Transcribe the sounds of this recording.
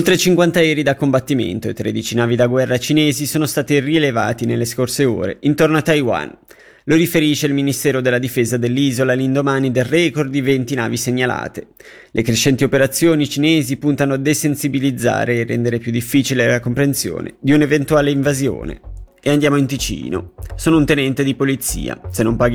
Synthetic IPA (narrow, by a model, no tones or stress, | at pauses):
olt̪ɾet͡ʃiŋkwant̪aɛːɾid̪akːombat̪ːimḛnt̪oet̪ːɾed̪it͡ʃinaːvid̪aɡwɛrːat͡ʃineːzisoːnost̪aːt̪irieleva̰ːt̪inelːeskorseo̰ːɾḛint̪ornoat̪ːajwa̰n | loɾifeɾiːʃeilminist̪ɛːɾod̪elːad̪ifeːzad̪elːiːzolalind̪omaːnid̪elrɛkord̪d̪ivent̪ina̰ːviseɲːala̰ːt̪e | lʔekɾeʃːɛnt̪iopeɾat̪sːjoːnit͡ʃineːzipunt̪anoad̪esensibilid̪zːa̰ːɾeːrːɛ̰nd̪eɾepjud̪ːifːiːt͡ʃilelakompɾensjo̰ːnḛd̪iunevent̪uaːleiɱvazjo̰ːnḛ | eand̪jaːmoint̪it͡ʃḭːno̰soːnount̪enɛnt̪ed̪ipolit̪sḭːa̰senːompaːɡ